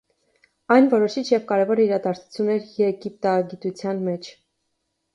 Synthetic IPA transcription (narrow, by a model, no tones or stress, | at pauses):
ɑjnvɔɾɔʃit͡ʃʰjɛvkɑɾɛvɔɾiɾɑd̪ɑɾt͡sʰu̥t͡sʰjunːɛɾjɛɡip̚t̪ɑɡit̪ut͡sʰjɑnmɛt͡ʃʰ